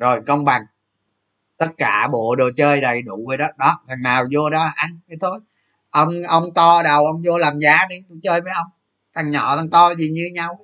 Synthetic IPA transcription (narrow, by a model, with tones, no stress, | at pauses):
zo˨˩jkə˧wŋ͡mɓa˨˩ŋ | t̪ə˦˥t̚kaː˧˩ɓo̰˧˨ɗo˨˩t͡ɕəː˧jɗə˨˩jɗu˧˨və˨˧˩ɗɔ˨˦ɗɔ˨˦vʰa˨˩ŋnaː˨˩wzo˧ɗɔ˨˦˨ʔa˧ŋkə˨˦t̪ʰo˧j | ʔə˧wŋ͡mʔə˧wŋ͡mt̪ɔ˧ɗə˨˩wʔə˧wŋ͡mzo˧laː˨˩mzaː˨˦ɗi˧ɗt͡ɕəː˧jvəː˨˦jʔə˧wŋ͡m | t̪ʰa˨˩ŋɲɔ̰˧˨t̪a˨˩ŋt̪ɔ˧zi˨˩ɲɨ˧ɲa˧w